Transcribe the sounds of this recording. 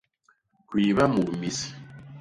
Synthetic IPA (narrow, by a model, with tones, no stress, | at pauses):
kwiː˨βa˦mu˨mi˦si̥˨